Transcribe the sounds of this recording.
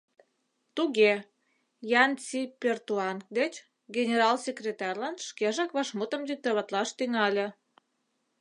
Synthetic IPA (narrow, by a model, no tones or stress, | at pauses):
t̪uɣe | jɑnt͡sipʲert̪uɑnk̚d̪et͡ɕ | ɡenʲeɾɑlsʲekrʲet̪ɑrʲlɑnʃkeʒɑkβɑʃmut̪əmd̪ik̚t̪ɑβɑt̪lɑʃt̪yŋɑlʲĕ